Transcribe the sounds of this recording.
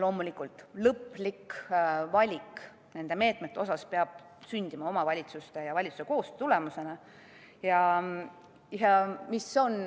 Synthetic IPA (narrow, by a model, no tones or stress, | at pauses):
lo̞ːmulikːˑult̪ˑlɤpːlikvɑlʲik | ne̞nd̪̥e̞me̞ːt̪ˑme̞t̪ːo̞sɑspeɑb̥̚ | synʲd̪̥imɑo̞mɑvɑlʲit̪sust̪e̞jɑvɑlʲit̪su̥se̞ko̞ːst̪ule̞muse̞nɑ | jɑ | jɑmiso̞n